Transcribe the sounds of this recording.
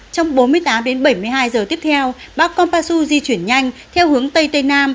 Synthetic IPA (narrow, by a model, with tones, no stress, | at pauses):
t͡ɕɔ˧wŋ͡mɓo˨˦nmɨ˧əjt̪aː˨˦mɗe˨˦nɓə˧˩jmɨ˧jɦaː˧jzəː˨˩t̪i˦˥əp̚t̪ʰɛ˧w | ɓaː˦˥kːɔ˧npaː˧su˧zi˧t͡ɕwi˧˩ənɲa˧jŋ̟t̪ʰɛ˧whɨ˨˦əŋt̪ə˧jt̪ə˧jnaː˧m